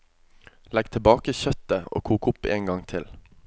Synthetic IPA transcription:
lɛɡt̪ʰɪlbɑːkəçœt̪əo̰ːkʰuːkʊpḛːŋɡɑŋt̪ʰɪl

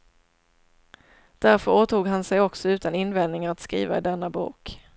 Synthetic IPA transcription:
d̪̥æɾfœɾoːt̪uːɡɦansɛjɔksɔʉ̟ːt̪anɪnvɛnnɪŋaɾat̪skɾḭːva̰ɪ̰d̪ɛnːabṵːk

